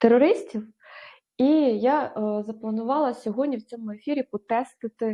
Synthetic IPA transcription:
t̪erɔɾɪsʲtʲiw | ijazɐplˠɐnʊʋɑlˠɐsʲɔɦɔdʲnʲiwt͡sʲɔmʊefʲiɾʲipɾɔt̪ɛst̪ɪt̪ɪ

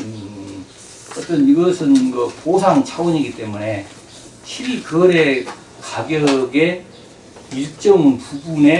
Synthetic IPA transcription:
ɯ | ʌt͈ʌniɡʌsʰɯnkʌposʰaŋt͡ɕʰawʌɲiɡit͈e̞mune̞ | ɕʰibikɯʌɾe̞ | kaɡjʌɡe̞ | iɭt͡ɕ͈ʌmɯnpubune

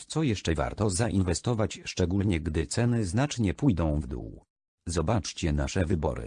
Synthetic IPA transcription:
t̪sɔjɛʂt͡ʂɛva̰ɾt̪ɔzaʔinvɛst̪ɔvat͡ɕʂt͡ʂɛɡulɲɛɡd̪ɘt̪sɛnɘznat͡ʂɲɛpujd̪ɔ̃w̃vd̪ṵw | zɔbat͡ʂt͡ɕɛnaʂɛvɘbɔ̰ɾɘ̰

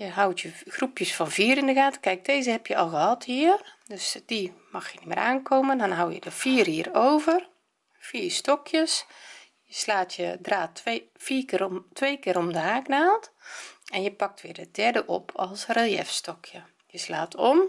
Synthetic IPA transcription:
jəɦawtʰjəɣrupjəsfɔnviːəɾɪndəɣaːtə̥kɛjk̚deːzəhɛpjəɔlˠɣəhɑthiəərdøsd̥imɑxjənim̰ːɾʔa̰ːnkʰoːməndɔnɦawjə̰dəfiərhiːroːvər | fiːrstɔkʰjəs | jəslaːtjədraːt | fiːkɪtʋeːkɪːɾomdəhaːknaːlˠtɛnjəpɑk̚tʋɪːrdədɛrdəʔopʰɔlˠsreljɛ̰fstɔkʰjə | jəslaːtʰom

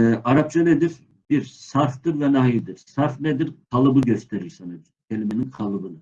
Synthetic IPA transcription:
aɾap̚t͡ʃʰaned̪iɾ | b̥iɾsaɾft̪ɯɾvɛnaɦid̪iɾsaɾfnɛd̪iɾqʰɑlˠɯbɯɟøst̪ʰeɾiɾsaneb̪ | cʲʰelʲimeninqʰɑlˠɯbɯnɯ

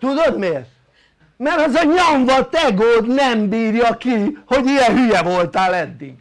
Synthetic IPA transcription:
t̪ud̪od̪meːrt | mɛɾɒzɒɲoɱvɒt̪ɛɡoːd̪nɛmbiːrjɒkiho̞ɟijɛɦyjɛvo̞lt̪aːlɛd̪ːiɡ

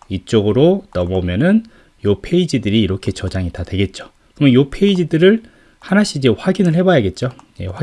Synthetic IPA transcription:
it͡ɕ͈oɡɯɾonʌmʌmjʌnɯn | jopʰe̞id͡ʑidɯɾiːɾʌkʰe̞t͡ɕʌd͡ʑaŋitadwe̞ɡet̚t͡ɕ͈o̥ | kɯmʌjopʰe̞id͡ʑidɯɾɯɭ | hanaɕʰiːd͡ʑe̞ɸwaɡinɯɭhe̞bajaɡe̞t̚t͡ɕ͈oje̞̰ɸa

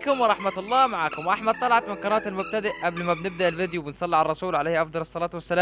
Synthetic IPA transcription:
kʊmwɑɾˤɑħmæt̪ɑlˤːɑːmaʕaːkʊmwʔaħmæd̪̚t̪ˤɑlɑʕɑt̪mɪnkɑɾˤɑːʔt̪ælmʊb̚t̪æd̪ɪʔʔæblmæbnɪb̚d̪aʔɪlvɪd̪juwbɪnsˤɑlːiʕalɑrˤɑsuːlʕalejːhʔɑfd̪ˤɑlɑsˤːɑlɑːt̪wæsːælæː

